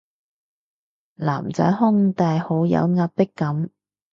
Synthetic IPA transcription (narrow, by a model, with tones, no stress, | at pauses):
la̰ː˨˩mt͡sœ̰ː˨˥jhʊ˥ŋt̪aː˨jho˨˥wjɐ̰˨˧wŋaː˧p̚pɪ˥kːɐ˨˥m